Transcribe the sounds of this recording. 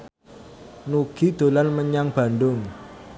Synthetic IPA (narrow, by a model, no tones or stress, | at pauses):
nuɡ̥id̪̥o̤lanməɲaŋb̥a̤ndʊŋ